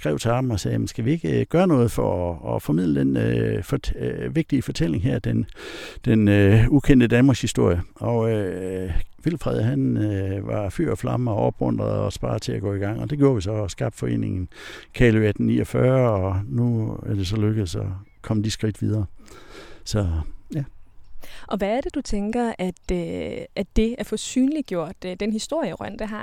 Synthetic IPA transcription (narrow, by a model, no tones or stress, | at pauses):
sɡ̥ʁɛʊt͡sʰe̝ɑ̥̈m̩ɒ̽sɛːjæmn̩sɡ̥æʋie̝ɡ̥əɡ̥ɶːɐnɔ̽ːð̞̩ˠfɒɒːfɒ̽mið̰ˠləd̥enfʋe̝ɡ̥̚d̥iəfɒ̽t͡sʰel̰e̝ŋɦæɐ̰d̥end̥enøukʰend̥əd̥ænmɑɡ̥shisd̥o̝ɐ̰jəɒ̽ø | ʋil̰fʁɛð̞̰ˠɦænʋɑ̈fy̰ɐ̰ɒflɑ̈məɒʔɒ̽b̥ʁɔn̰d̥ʁɐð̩ˠɒsb̥ɑ̈ːðˠt͡sʰe̝æɡ̥ɔ̰̽ːiɡ̥ɑ̈ŋ̰ɒ̽d̥e̝ɡ̥jo̝ːɐʋisɒ̽sɡ̥ɑ̈ːb̥fɒ̽e̝̰ːne̝ŋn̩kʰɛːlyæd̥n̩nḭːɒfɶːɐɒnuæɐd̥e̝s̬ɒ̽løɡ̥ð̩ˠsɒ | kʰɒ̽m̰d̥isɡ̥ʁid̥ʋið̞ˠɐː | sɒ̽jæ | ʔɒ̽ʋæːɐd̥e̝d̥ut͡sʰeŋɡ̥ɐæd̥øæd̥e̝æɐfɒsy̰ːnliɡ̥jo̝ɐ̰d̥ːenhisd̥o̝ɐ̰jəʁɶn̰d̥eɦɑ̈